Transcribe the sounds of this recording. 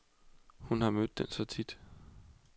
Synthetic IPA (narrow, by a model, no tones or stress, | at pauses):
hunhɑ̈mød̥̚ːensɒ̽t͡sʰid̥